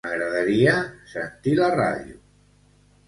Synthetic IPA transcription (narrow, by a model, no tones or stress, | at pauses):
maɣɾaðaɾiasent̪ilara̰ðjṵ